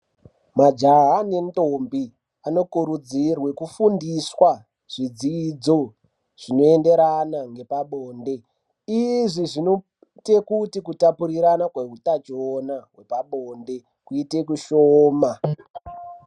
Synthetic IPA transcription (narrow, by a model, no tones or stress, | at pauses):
mad͡ʒaɦane̞ntombi | ano̞kuɾud͡zirwe̞kufundiswa | ʐ̥id͡ziːd͡zo | ʐ̥ino̞ende̞ɾanaŋɡe̞paɓoːnde̞ | iʐiʐino | te̞kutikutapuɾiɾanakweɦutat͡ʃonaɦwe̞paɓoːnde̞ | kuite̞kuʃoːma